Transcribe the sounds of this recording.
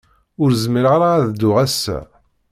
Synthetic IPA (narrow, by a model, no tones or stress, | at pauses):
ʊɾzməɾəʁɾaðd̪ːʊʁæsːæ̰